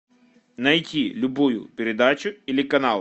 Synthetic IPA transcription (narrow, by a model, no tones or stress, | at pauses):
nɐjtʲilʲʊbujʊ̰pʲeɾed̪ɑt͡ʃʊilʲikɐnɑlˠ